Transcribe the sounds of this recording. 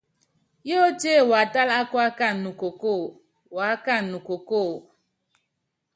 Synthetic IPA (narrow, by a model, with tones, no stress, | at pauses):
jo˦t͡ʃe˦˨wa˨ta˦la˦kwa˦ka˦˨nu˨ko˨ko˦˨ | wa˨˦ka˦˨nu˨ko˨ko˦˨